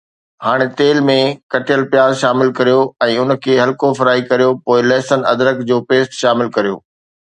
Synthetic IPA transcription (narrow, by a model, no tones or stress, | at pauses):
haːɽ̃et̪eːlmẽkɐʈʰɪjəlpjaːzʃaːmɪlkɐɾijoɛ̃ːʊnə̆kʰeːɦɐlkofɐɾaːikɐɾijopoːɪlɛːsənɐ̰d̪ɾəkd͡ʑoːpeːst̪ʃaːmɪlkɐɾijo̰ː